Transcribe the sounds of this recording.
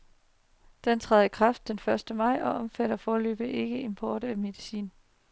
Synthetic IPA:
d̥ent͡sʰʁa̰ðˠikʰʁɑ̈fd̥ːenfɶɐsd̥əmɑ̈ɪ̰ɒ̽ʔɒ̽mfæɾɐfɒːlø̰ːb̥əʔe̝ɡ̥əe̝mpʰɒːɾ̥æme̝ðˠisḭːn

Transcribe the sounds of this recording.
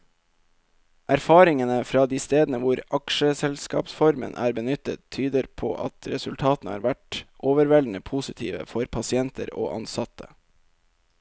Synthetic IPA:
ʔæɾfɑːɾɪŋənəfɾɑːd̪iːst̪eːd̪n̩əʋʊɾɑkʃəsɛlskɑ̰ːpsfɔɾmə̰nʔæ̰ːɾbənʏt̪ətt̪ʰyːd̪əɾpʰo̰ːʔɑ̰t̪ʰɾɛsʉlt̪ʰɑːt̪n̩əhɑ̰ːɾʋæʈʔoːʋəɾʋɛln̩əpʰuːsɪt̪ʰḭːʋə̰fɔɾpʰɑsɪɛnt̪ʰəɾo̰ːʔɑ̰nsɑt̪ʰə

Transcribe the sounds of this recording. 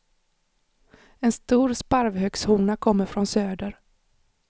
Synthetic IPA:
ɛnst̪uːɾspaɾvhœkshuːnakʰɔmːəɾfɾɔnsøːd̪əɾ

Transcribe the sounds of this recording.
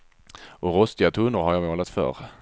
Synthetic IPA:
ʔɔɾɔst̪ɪat̪ʰɵnːʊɾɦaɾjaːmoːlat̪fœ̰ɾ

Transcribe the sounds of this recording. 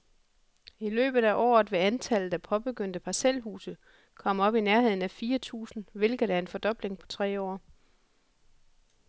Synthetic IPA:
ilø̰ːb̥ð̞̩ˠæʔɒ̰ːð̞̩ˠʋe̝ænt͡sʰælð̩̥ˠæpʰɒ̽b̥e̝ɡ̥øn̰d̥əpʰɑ̈selɦṵːsə | kʰɒ̽m̰ɒ̽b̥inæɐɦhe̝ð̞̰ˠn̩æfiːɐt͡sʰṵːsn̩ʋe̝lɡ̥ð̩ˠæɐe̝nfɒ̽d̥ɒ̽b̥le̝ŋpʰɒ̽t͡sʰʁɛ̰ːɒ̰ː

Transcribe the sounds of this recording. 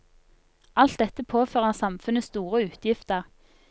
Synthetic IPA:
ʔɑlt̪d̪ɛt̪əpʰoːføːʁəʁsɑmfʉnəst̪uːʁəʉːt̪ʰjɪft̪əʁ

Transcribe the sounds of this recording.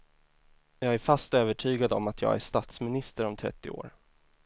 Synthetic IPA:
jɑːɡæɾfast̪øːvəʈʰyːɡad̪ɔmat̪ʰjɑ̰ːɡæ̰ʂt̪at̪smɪnɪst̪əɾɔmt̪ʰɾɛ̰t̪ːɪ̰o̰ːɾ

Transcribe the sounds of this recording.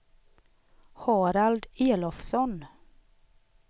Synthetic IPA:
hɑːɾald̪eːlɔfsɔn

